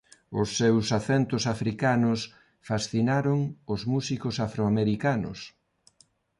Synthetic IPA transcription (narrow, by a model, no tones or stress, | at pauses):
ʊsːewsaθɛnt̪ʊsafɾikanʊs | fasθinaɾoŋʊzmusikʊsafɾoameɾikanʊ̰s